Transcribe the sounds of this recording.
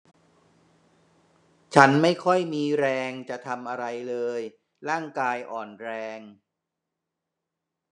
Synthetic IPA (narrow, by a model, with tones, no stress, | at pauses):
t͡ɕʰa˦˥nma˥˩jkʰɔ˥˩jmiː˧ɾɛː˧ŋt͡ɕa˨˩t̪ʰa˧mʔa˧ɾa˧jlɤː˧j | ɾaː˥˩ŋkaː˧jʔɔː˨˩nɾɛː˧ŋ